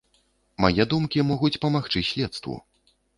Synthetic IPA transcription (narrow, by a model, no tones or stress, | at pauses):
ma̰jɛd̪umkʲimɔɣut͡sʲpɐmaxt͡ʂɨsʲlʲɛt̪st̪vṵ